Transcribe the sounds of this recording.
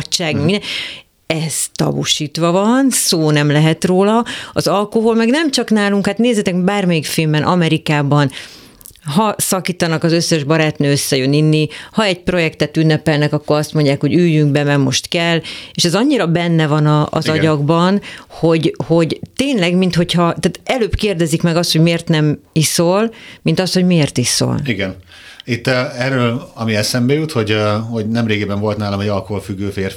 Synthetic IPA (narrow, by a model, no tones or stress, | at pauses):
t͡ʃːaːɡmɛmi | ɛz̥t̪ɒ̰bṵʃiːt̪ʋɒvɒnsoːnɛmlɛɦɛt̪roːlɒɒzɒlkoɦolmɛɡnɛmt͡ʃɒknaːluŋkhat̪neːzɛt̪ɛkbaːrmɛjikfilmbɛnʔɒmɛɾikaːbɒn | ɦɒsɒkiːt̪ɒnɒkɒzø̞sːɛʒbɒɾaːt̪nøːøsːɛjøninːihɒɛɟ̚pro̞jɛkt̪ɛt̪ynːɛpɛlnɛkɒkːo̞ɾɒst̪mo̞ɲɟaːkho̞ɟyjːyŋk̚bɛmɛɡmo̞ʃt̪kɛlːeːʃɛzɒɲːiɾɒbɛnːɛvɒnɒ̰ːzɒɟɒɡbɒnho̞ɟho̞ɟt̪eːnlɛɡmint̪ho̞chɒt̪aːt̪ɛløːbkeːrd̪ɛzikmɛɡɒst̪ho̞ɟmeːrt̪nɛmisolmint̪ɒst̪ho̞ɟmeːrt̪iso̰liɡɛn | it̪ːɛrøːlɒmiɛsɛmbɛjut̪ho̞ɟho̞ɟnɛmɾeːɡibɛɱvo̞lt̪naːlɒmɛɟɒlkoɦolfyɡːøːfeːr